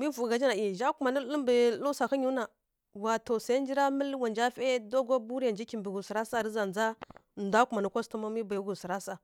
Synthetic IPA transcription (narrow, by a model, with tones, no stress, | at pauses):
mi˦vu˨ɡa˨d͡ʒi˦na˨i˨ʒa˦ku˨ma˨nə˦lə˦mbə˨lu˦sa˨ka˦ɲu˦na˨ | wa˨to˨sa˨˦n˦d͡ʒi˦ɾa˦mə˦lwa˨nd͡ʒa˦fe˦do˦ɡa˦bu˦ɾi˦ja˨nd͡ʒi˦ki˨mbi˨ɡu˨si˨ɾa˦sa˦˨ɾi˦za˨nd͡za˦˨ | nda˦ku˨ma˨ni˦kʷa˦stu˦ma˦mi˦ba˨jɡu˨si˨ɾa˦sa˨